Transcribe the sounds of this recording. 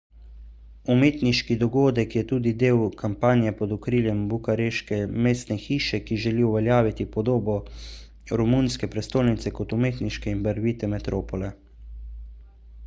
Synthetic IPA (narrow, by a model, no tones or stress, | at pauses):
umeːt̪niʃkid̪ɔɡoːd̪ɛkjɛt̪uːd̪id̪eːwkʰampaːnjɛpɔd̪ukɾiːljɛmbukaɾeːʃkɛmeːst̪nɛxiːʃɛkiʒɛliuʋɛljaːʋit̪ipɔd̪oːbɔ | ɾɔmunskɛpɾɛst̪oːlnit̪sɛkɔt̪umeːt̪niʃkɛinbəɾʋiːt̪ɛmɛt̪ɾʔoːpɔlɛ